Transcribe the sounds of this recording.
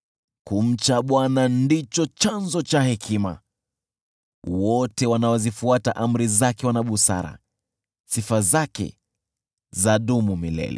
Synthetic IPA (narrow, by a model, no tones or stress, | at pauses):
kum̩t͡ʃaɓwanandit͡ʃɔt͡ʃanzɔt͡ʃahɛkʰima̰ | wɔtɛwanawɔzifuataʔam̩ɾizakɛwanaɓusa̰ɾa̰ | sifazakɛ̰ | zaɗumumilɛ̰lɛ̰